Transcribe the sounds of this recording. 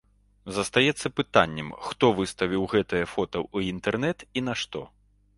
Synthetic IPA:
zɐst̪ajɛt̪sːɐpɨt̪a̰nʲːɛmxt̪ɔvɨst̪ɐvʲiwɣɛt̪ɐjɐfɔt̪ɐwuint̪ɛrnɛt̪inɐʂt̪ɔ

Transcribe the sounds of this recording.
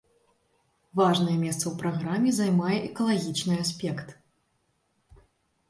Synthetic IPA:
vaʐnɐjɛmʲɛst̪sɐwpɾaɣɾamʲːɛzajmajɛʔɛkɐlˠaɣʲit͡ʂnɨasʲpʲɛkt̪

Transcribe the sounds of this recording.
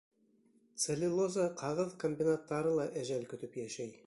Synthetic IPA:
t̪selʲilˠozaqʰɑʁəðkʰomʲbʲinat̪ːɑɾəlˠɑʔæʒælkʲʰɵ̆t̪ɘpjæʃæj

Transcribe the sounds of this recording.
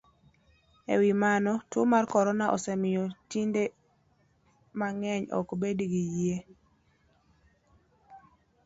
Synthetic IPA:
ḛwimanɔtʊmarkɔɾɔnaʔɔ̰sɛmɪjɔtinde | maŋɛɲɔ̰kbediɡijie

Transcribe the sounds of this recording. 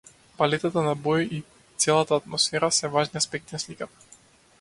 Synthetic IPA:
palɛt̪at̪anabɔji | t̪sɛlˠat̪aːt̪mɔsfɛɾasɛvaʒniaspɛk̚t̪inaslikat̪ḁ

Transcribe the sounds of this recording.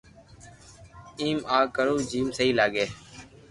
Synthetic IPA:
iːmaːkəɾuːd͡ʒiːmsəɦiːlaːɡeː

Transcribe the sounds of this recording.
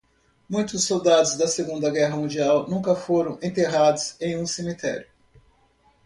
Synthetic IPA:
mũj̃t̪ʊsːowd̪ad̪ʊzd̪ɐseɡũnd̪ɐɡɛɦɐmũnd͡ʒiawnũkɐfoɾɐ̃w̃ẽnt̪eɦad̪ʊzẽj̃ũsemit̪ɛ̰ɾjʊ

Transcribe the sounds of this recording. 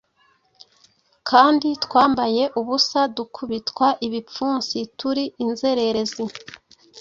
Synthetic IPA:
kʰaːnditkwaːmbaje̞ʔuβusadukʰuβitwaʔiβip͡fuːnsituɾiʔinze̞ɾe̞ɾezi

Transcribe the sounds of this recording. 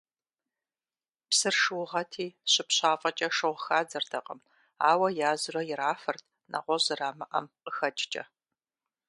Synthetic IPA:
psɨrʂɨwʊʁɐtʰiːɕɪpɕaːfʼɐt͡ʃʼɐʂɨʁʷxaːd͡zɐrdʰɐqʼəm | a̰ːwɐjaːzɨrɐjɪɾaːfɐrtʰ | nʔɐ̰ʁʷɔʑɨraːmɐʔɐ̰mqəxɐt͡ʃʼt͡ʃʼɐ̰

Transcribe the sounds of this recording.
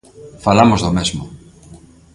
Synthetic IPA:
falamozðomezmo

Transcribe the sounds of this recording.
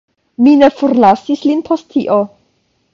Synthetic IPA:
mine̞fuɾlasislinpʰo̞sttʰːiʔo

